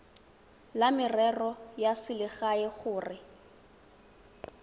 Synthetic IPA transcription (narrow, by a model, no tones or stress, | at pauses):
lamɪrɛrɔjasɪlɪɣaɪχʊːrɪ